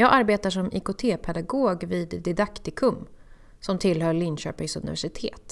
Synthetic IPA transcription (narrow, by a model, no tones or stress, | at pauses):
jɑːɡʔaɾbeːt̪aʂɔmɪ̰kʊt̪ʰeːpʰɛd̪aɡoːɡviːd̪ːɪd̪akt̪ɪkʰɵm | sɔmt̪ʰɪlɦœɭɪnɕø̰ːpɪŋsɵ̰nɪ̰væʂɪt̪ʰḛːt̪